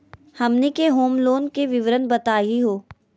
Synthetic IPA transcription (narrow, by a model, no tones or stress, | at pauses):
hɐmnikeɦoːmloːnkeʋɪʋɾənbɐt̪aːiɦoː